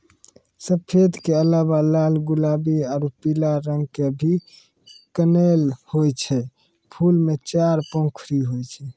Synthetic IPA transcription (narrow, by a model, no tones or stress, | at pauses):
səpʰed̪keələbalalɡulabiaɾupilaɾəŋɡkeəbʱi | kənelhojt͡ʃʰɛ | pʰulmet͡ʃaɾpõkʰɾiɦojt͡ʃʰɛ